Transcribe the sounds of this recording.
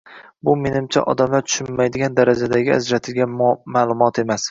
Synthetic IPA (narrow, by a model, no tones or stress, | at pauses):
bʊme̞nɪmt͡ʃʰa̰ʔɒ̰d̪amlaɾt̪ʰʊ̥ʃɪnːajd̪ɪɡʲand̪aɾad͡ʒad̪aɡʲɪa̰d͡ʒɾat̪ʰɪlɡʲanmalˠʊmɒt̪ʰe̞mas